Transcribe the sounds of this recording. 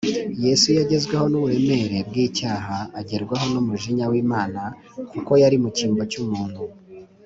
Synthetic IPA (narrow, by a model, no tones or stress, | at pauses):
je̞sujaɟe̞zɡweho̞nuβue̞me̞ɾe̞bɡiːcaːɦaːɟe̞ɾɡwaɦo̞numuʒiɲawiːmaːna | kuko̞jaɾimuciːmbo̞cumuːn̥hu